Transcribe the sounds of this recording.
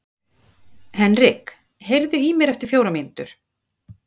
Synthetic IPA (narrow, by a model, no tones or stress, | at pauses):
hɛnrɪk | hejɾðʏimɛɾɛft̪ɪɾ̥fjoːwɾamɪnt̪ʏɾ̥